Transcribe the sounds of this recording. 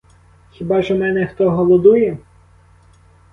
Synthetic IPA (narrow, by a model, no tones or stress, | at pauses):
xʲibɑʒɛmɛnɛxt̪ɔɦɔlˠɔd̪ujɛ